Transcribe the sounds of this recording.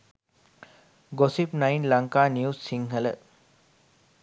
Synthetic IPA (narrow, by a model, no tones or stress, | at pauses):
ɡosipnajnlaŋkaːniusiŋɦələ